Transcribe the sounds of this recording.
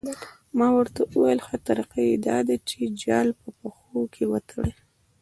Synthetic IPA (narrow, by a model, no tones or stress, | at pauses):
mɑwəɾt̪aʔuwajlxat̪aɾiqajed̪ɑd̪at͡ʃed͡ʒɑlpəpaxokʰewət̪ʰɽe